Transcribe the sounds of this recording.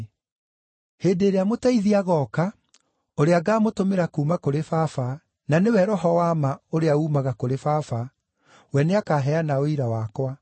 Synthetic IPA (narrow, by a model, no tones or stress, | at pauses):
heːndeːɾeamotaiðiaɣɔːka | oɾeaɡaːmotomeɾakuːmakoɾefafa | nanewɛɾɔɦɔwaːmaoɾeauːmaɣakoɾefafa | wɛneakaːɦɛanaoiɾawakwa